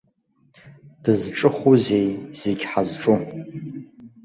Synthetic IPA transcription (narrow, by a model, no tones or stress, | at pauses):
d̥ɨzʈ͡ʂʼɨχuzejz̥eɡʲħazʈ͡ʂʼu